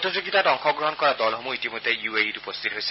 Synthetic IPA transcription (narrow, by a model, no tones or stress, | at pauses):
tʰozoɡitadɔŋxɔɡɹɔɦɔnkɔɹadɔlɦomuitimojd̪ʱejuejitupɔst̪ʰitɦojsɛ̥